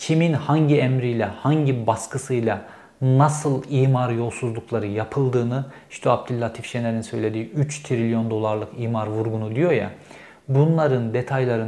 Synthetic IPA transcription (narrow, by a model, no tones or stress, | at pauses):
cʰiminhaɲɟiɛmɾijlʲɛhaɲɟibaskʰɯsɯjlˠa | nasɯlˠiːmaɾjo̞lˠsuzlˠuklˠaɾɯjapʰɯlˠd̪ɯːnɯiʃt̪ʰɛab̚d̪ilʲːat̪ʰifʃejlʲe̞ɾinsø̞jlʲe̞d̪iːyt͡ʃt̪ʰɾilʲjo̞nd̪o̞lˠaɾlˠɯkiːmaɾvuɾɡunud̪ijo̞ja̰ | bunlˠaɾɯnd̪e̞t̪ʰajlˠaɾɯ